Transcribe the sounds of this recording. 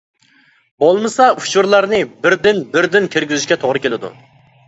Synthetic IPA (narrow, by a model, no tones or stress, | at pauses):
bolˠmɨsɑut͡ʃuɾlˠɑɾnɪbɪɾd̪ɪnbɪɾd̪ɪnkʲʰeɾɡʲizɪʃkʲɛt̪ʰoʁɾɨkʲʰelɪd̪ṵ